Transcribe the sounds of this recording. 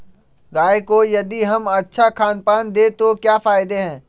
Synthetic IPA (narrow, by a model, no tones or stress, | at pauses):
ɡaːekojɐd̪iɦɐmɐtːʃʰakʰaːnpaːnd̪eːt̪okjaːfaːɪd̪eɦɛ̃ː